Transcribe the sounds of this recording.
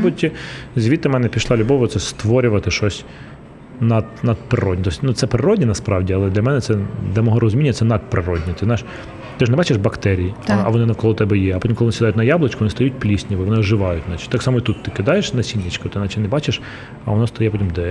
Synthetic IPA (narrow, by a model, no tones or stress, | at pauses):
butʲːizʲʋʲit̪ːɐmɛnɛpʲiʃlˠɑlʲʊbɔʋɐt̪sɛst̪ʋɔɾʲʊʋɐt̪ɪʃɔsʲ | nɐd̪nɐd̪̚pɾɪɾɔdʲit̪ɔsʲnut̪sɛpɾɪɾɔdʲinɐspɾɑʋdʲiɐlˠɛd̪lʲɐmɛnɛt̪sɛd̪lʲɐmɔɦɔɾɔzʲmʲinʲːɐt̪sɛnɐd̪̚pɾɪɾɔdʲnʲɛt̪ɪznɑjɪʃ | t̪ɪʒnɛbɑt͡ʃeʒbɐkt̪ɛɾʲijiɐʋɔnɪnɐwkɔlˠɔt̪ɛbɛjɛɐpɔtʲimklˠɪʋnɪsʲɪd̪ɑjʊtʲnɐjɑblˠet͡ʃkʊʋɔnɪst̪ɐjutʲplʲisʲnʲiʋɪʋɔnɪɔʒɪʋɑjʊtʲnɑt͡ʃɪ̥tʲt̪ɑksɑmɔit̪ut̪ːɪkɪd̪ɑjeʃnɐsʲinʲːɪt͡ʃkɔt̪ɪnɑt͡ʃɪnɛbɑt͡ʃeʃ | ɐ̰ʋɔnɔst̪ɐjɛpɔtʲimd̪ɛ